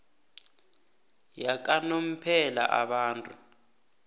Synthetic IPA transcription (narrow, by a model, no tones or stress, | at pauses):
jak̬ʼanom̩pʰɛla̰ʔa̰ɓaːntʼu